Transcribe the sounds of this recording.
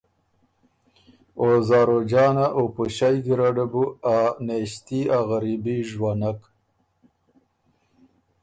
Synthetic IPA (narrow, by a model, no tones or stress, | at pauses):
ozaːɾod͡ʒɑːnaʔopuɕajd̪iɾaɖabuaneɕt̪iaɣaɾibiʒwanak